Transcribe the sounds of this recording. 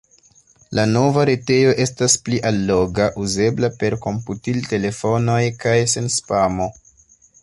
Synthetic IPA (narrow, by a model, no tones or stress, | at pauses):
lano̞vaɾete̞jo̞ʔe̞staspliʔalːo̞ɡaʔuze̞blape̞ɾko̞mputilte̞le̞fo̞no̞jkajse̞nspamo̞